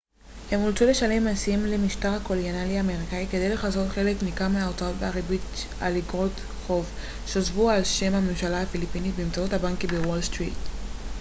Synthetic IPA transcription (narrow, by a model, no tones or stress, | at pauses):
he̞molt͡sule̞ʃale̞masiemlemiʃtaʁhakolianaliaːme̞ʁikaike̞d̪e̞jle̞χazo̞tχe̞lekmikameaot͡sao̞tbeaʁibi | a̰liɡʁot | χo̞v | ʃeozvualʃe̞mhame̞mʃalahafilipinit̚bemt͡sauthabaŋkibewolstʁḭt